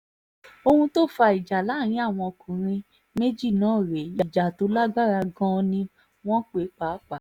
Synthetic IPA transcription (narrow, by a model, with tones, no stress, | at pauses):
o˧hũ˧to˦fa˧i˨d͡ʒa˨la˨˦˨ɾ̃ĩ˧˦a˦˨w̃ɔ̃˧o˧kʰũ˨ɾ̃ĩ˧ | me˦d͡ʒi˦˨nãː˨˦˨ɾe˨˦ja˨d͡ʒa˨to˨˦la˦ɡ͡ba˦ɾa˧ɡã˦nĩ˧ | w̃ɔ̃˦k͡pe˨˦k͡pa˨˦k͡pa˨